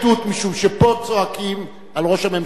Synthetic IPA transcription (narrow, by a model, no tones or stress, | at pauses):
tut̪miʃumʃepo̞t͡soakim | alʁo̞ʃhamem